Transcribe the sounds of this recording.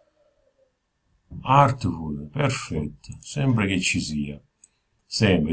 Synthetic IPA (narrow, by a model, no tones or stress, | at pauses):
aɾt̪əfuɾpɛɾfɛt̪ːsɛmpɾek̟et͡ʃːisiːa | sɛmp